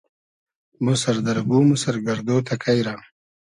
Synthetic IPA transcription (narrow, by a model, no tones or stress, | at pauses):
musaɾd̪aɾɡumusaɾɡaɾd̪ot̪ʰakʰajɾa